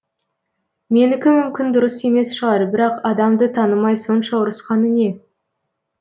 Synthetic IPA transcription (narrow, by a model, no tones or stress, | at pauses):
me̞nɪkʲɪmʏmkʲɪnd̪ʊɾəse̞me̞sʃəʁɑɾbɪɾɑqɑd̪ɑmd̪ət̪ʰɑnəmɑjso̞nʃɑʊɾəsqɑnəne̞